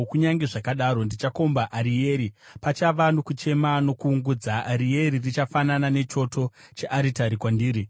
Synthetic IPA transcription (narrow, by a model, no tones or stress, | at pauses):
kuɲaŋɡeʐakaɗaɾo̞ndit͡ʃako̞mbaʔaɾije̞ːɾipat͡ʃaʋano̞kut͡ʃe̞mano̞kuːŋɡud͡zaːɾije̞ririt͡ʃafananane̞t͡ʃo̞tʰo̞ | t͡ʃeʔaɾitaɾikwandiːɾi